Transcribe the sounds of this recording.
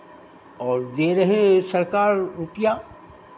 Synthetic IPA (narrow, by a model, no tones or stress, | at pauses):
ɔːɾd̪eːɾəɦẽsɐɾkaːɾɾupija